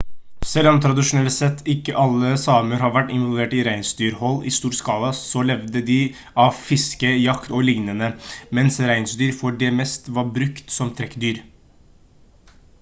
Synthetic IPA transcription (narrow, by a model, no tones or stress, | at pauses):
sɛlɑnt̪ʰɾɑd̪ɪʂʊnɛlsɛt̪ʰːɪkːəʔɑlːəsɑːməɾhɑɾʋæʈːɪnʋɔɑlʋeːʈɪɾæɪnsd̪yːɾhɔlːɪ̰st̪uːɾskɑːlɑsɔlɛʋd̪əd̪ɪ | ɑʋfɪskəjɑkt̪ɔlɪŋnənəmɛnsɾæɪnsd̪yːɾfɔɖɛmɛst̪ʋɑɾbɾʉkt̪sɔmt̪ʰɾɛkːd̪yːɾ